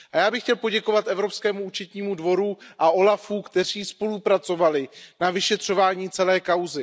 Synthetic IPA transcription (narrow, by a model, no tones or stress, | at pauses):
ʔajaːbɪxcɛlpo̞ɟɛko̞vat̪ʔɛvɾo̞pskɛːmuut͡ʃɛt̪ɲiːmudvo̞ɾuʔaʔo̞lafuːkt̪ɛr̝iːspo̞lupɾat͡so̞valɪnavɪʃɛt̪r̝̥o̞vaːɲiːt͡sɛlɛːkawzɪ